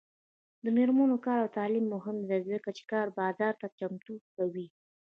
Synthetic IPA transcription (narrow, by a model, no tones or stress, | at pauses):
d̪əmeɾmənokɑɾawt̪ɑlimːʊɦɪmd̪ajzəkat͡ʃe̥kɑɾbɑzɑɾt̪at͡ʃamt̪ukawi